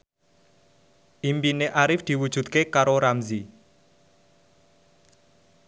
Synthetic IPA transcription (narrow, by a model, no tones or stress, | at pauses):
ʔimbineʔaɾɪfd̪̥i̤wud̥ʒ̥ṳt̪̚kekaɾoɾamzi